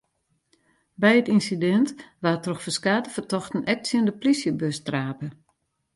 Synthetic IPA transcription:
bɛjətinsidɛntʋatrɔxfəskaːdəfətɔxtənʔɛk̚tsjəndəplisjəbøstraːpə

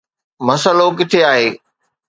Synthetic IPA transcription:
mɐsəlokɪʈ̪ʰeaːɦeː

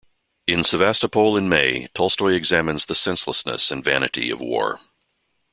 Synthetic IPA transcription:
ɨ̃nsɨvæstəpʰoʊlˠɨ̃nmeɪtʰɔlˠstɔɪɨɡzæmɨ̃nzðɨsɛ̃nsləsnɨ̰sɨ̃nvænɨ̰ɾḭʌ̰vwɔ̰ɹ

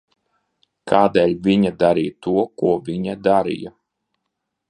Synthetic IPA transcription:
kʰaːd̪ɛːlʲvʲiɲad̪aɾiːjt̪uɔkuɔvʲiɲad̪aɾḭja

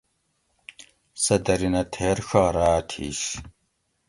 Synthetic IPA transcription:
sɐdɐɾinɐtʰeːrxɐʁɾaːtʰḭːʃ

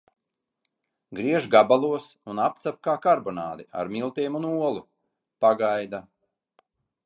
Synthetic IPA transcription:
ɡɾiɛʒɡabalˠuɔsunap̚t̪sap̚kaːkaɾbɔnaːd̪ia̰ɾmilˠt̪iːmunuɔlˠu | paɡajd̪a

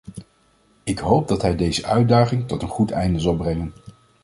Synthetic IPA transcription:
ɪkɦowp̚dɑtɦɛjdejzəʔœɥdaːχɪŋtɔtənχutɛ̰jndəzɑlˠbrɛŋən

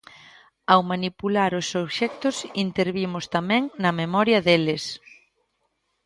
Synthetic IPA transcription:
awmanipulaɾʊsoβʃɛk̚t̪ʊsint̪eɾβimʊst̪amɛ̃ŋnɐmemɔɾjɐðelɪs

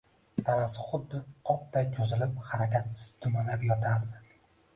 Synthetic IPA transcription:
t̪ʰaɾasɪχʊd̪ːɪqʰɒp̚t̪ʰakʲʰɵzɪlɪpχaɾakʲʰat̪sɪ̥z̥d̪ʰʊmanlapjɒt̪ʰaɾd̪ɪ

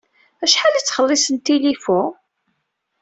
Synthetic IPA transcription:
æʃħalit͡sːχəlːɪsənt̪ilifu

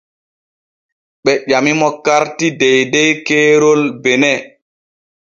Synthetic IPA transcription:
ɓɛʄamimɔkaɾtidɛjdɛjkɛːɾolbɛnɛ

